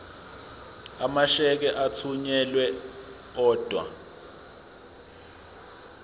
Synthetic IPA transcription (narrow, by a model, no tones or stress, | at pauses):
amaʃɛk̬ɛʔat͡sʰuɲɛlwɛ | ɔːd̥ʱwa̰